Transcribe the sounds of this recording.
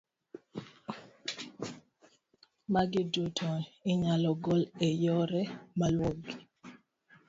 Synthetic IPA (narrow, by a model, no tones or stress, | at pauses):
maɡɪdotʰoɪɲalɔɡɔlejɔɾɛmalwoɡi